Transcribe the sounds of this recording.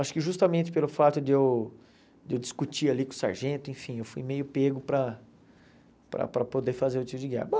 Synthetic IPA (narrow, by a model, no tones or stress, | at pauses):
aʃʊ̥kɪʒust̪ɐmẽt͡ʃ̪ɪ̥pelʊfat̪ʊd̪ɪew | d̪ewd͡ʒiskut͡ʃialikõsa̰ɾʒẽnt̪ʊẽfĩewfujmejʊpeɡʊpɾɐ | pɾɐ̰pɾɐpod̪efazeɾʊt̪ipʊd͡ʒɪɡɛ̰hɐbo